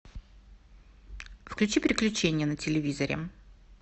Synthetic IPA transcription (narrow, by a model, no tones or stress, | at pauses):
fklʲʉt͡ɕipɾʲɪklʲʉt͡ɕenʲɪjənətʲɪlʲɪvʲizəɾʲɪ̰m